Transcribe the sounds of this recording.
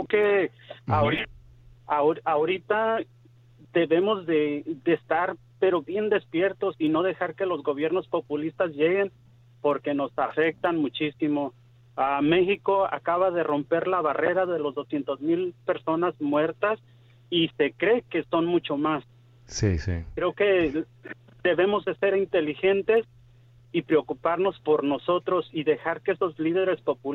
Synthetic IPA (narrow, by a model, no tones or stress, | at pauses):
keaɾ | aoɾit̪a | d̪e̞βe̞mo̞zðe̞ðest̪aɾ | pe̞ɾo̞βje̞nd̪e̞spje̞ɾt̪o̞sino̞ðe̞xaɾke̞lo̞zɣo̞β̞je̞ɾno̞spo̞pulist̪azʝe̞ɣe̞n | po̞ɾke̞no̞safe̞k̚t̪anmut͡ʃisimo̞ | ame̞xiko̞a̰kaβaðe̞ro̞mpe̞ɾlaβare̞ɾaðelo̞zðo̞sje̞nt̪ozmilpe̞ɾso̞nazmwe̞ɾt̪as | ise̞kɾe̞ke̞so̞nmut͡ʃo̞mas | sḭsḭkɾeoke̞ | d̪e̞βe̞mo̞zðe̞se̞ɾint̪e̞lixe̞nt̪e̞s | ipɾeokupaɾno̞spo̞ɾno̞so̞t̪ɾo̞siðe̞xaɾkeeso̞zliðe̞ɾe̞spo̞pu